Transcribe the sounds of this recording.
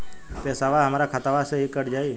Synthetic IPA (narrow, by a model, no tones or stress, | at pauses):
pɛːsaʋaɦəmaːɾakʰat̪aʋaseɦikəɾd͡ʒaːi